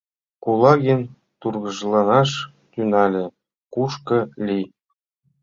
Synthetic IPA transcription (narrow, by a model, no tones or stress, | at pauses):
kulˠɑɡʲenʲ | t̪urɣɤ̆ʐlˠɑnɑʂ | t̪ʲynɑlʲɘ̆ | kuʃkɤ̆lʲi